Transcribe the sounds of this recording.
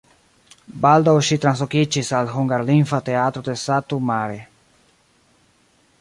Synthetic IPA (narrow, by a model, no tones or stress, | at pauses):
bald̪aoʃit̪ɾãnsokit͡ʃisalɦuŋɡaɾlĩɱfat̪eat̪ɾod̪esat̪umaɾe